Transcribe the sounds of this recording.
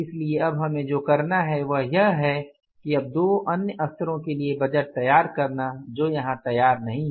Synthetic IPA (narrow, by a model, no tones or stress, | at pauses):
ɪslieɐbɦɐmẽd͡ʒoːkɐɾnaɦɛʋɐɦjɐɦɦɛ | kiɐb̚d̪oːʔɐnjəɐst̪əɾõkeliebɐd͡ʒəʈ̚t̪ɐjːaːɾkɐɾnad͡ʒoːjɐɦãt̪ɐjːaːɾnɐɦĩ